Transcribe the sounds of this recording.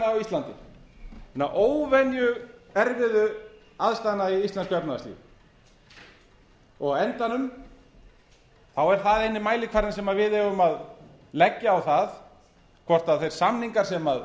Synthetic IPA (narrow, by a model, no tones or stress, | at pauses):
awist̪lant̪ɪ̰ | ɛnːaʔoːwvɛnjʏɛɾvɪðʏ | aðst̪ajnːaiist̪ɛnskʏɛpnaðaslḭv | ɔɣɛnt̪anʏm | θawɛɾ̥θaðejnːɪmaːjlɪkʰvaɾɪnsɛmaðvɪðhɛvʏmað | lɛcːaawθað | kʰvɔr̥t̪aðθejɾ̥samniŋkaɾ̥sɛmað